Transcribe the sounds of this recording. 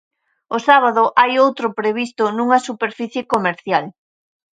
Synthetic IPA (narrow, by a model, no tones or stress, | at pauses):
ʊsaβ̞aðʊʔajowt̪ɾʊpɾeβist̪ʊnuŋɐsupeɾfiθjɪkomeɾθjal